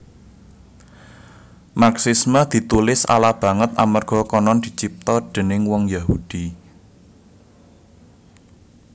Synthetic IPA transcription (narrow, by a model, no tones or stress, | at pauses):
maksisməd̪̥i̤t̪ulɪsa̰lab̥ä̤ŋət̪a̰mərɡ̥ɔ̤kɔnɔnd̪̥i̤t͡ʃip̚t̪ɔd̪̥e̤nɪŋwɔŋjaɦud̪̥i